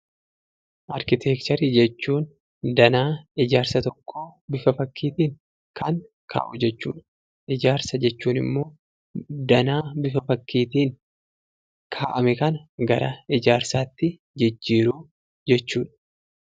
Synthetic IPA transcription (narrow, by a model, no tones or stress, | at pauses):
ʔɐɾkɪt̪ʰeːkt̪ɐɾiːd͡ʒɛt͡ʃːuːn | d̪ɐnaːɪd͡ʒaːɾsɐt̪ɔkʰːoːbɪfɐfɐkʰːiːt̪iːŋ | kʰɐŋ | kʰa̰ːʔʊd͡ʒɛt͡ʃːuːᶑɐ̥ | ʔɪd͡ʒaːɾsɐd͡ʒɛt͡ʃːuːnɪ̰mːo̞ː | d̪ɐnaːbɪfɐfɐkːiːt̪iːŋ | kʰaːʔɐmɛkɐnɐɡɐɾɐɪd͡ʒaːɾsaːt̪ːɪ | d͡ʒɪd͡ʒːiːɾuː | d͡ʒɛt͡ʃːuːᶑɐ̥